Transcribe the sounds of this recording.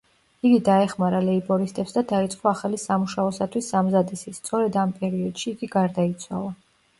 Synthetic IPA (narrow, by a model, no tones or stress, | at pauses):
iɡid̪aɛχmaɾalɛibɔɾist̪ʼɛpsd̪ad̪ait̪sʼqʼɔaχalisamuʃaɔsat̪ʰwisːamzad̪isist̪sʼɔɾɛd̪ampʼɛɾiɔd̪̥ʃiːɡiɡaɾd̪ait̪sʰwa̰lˠa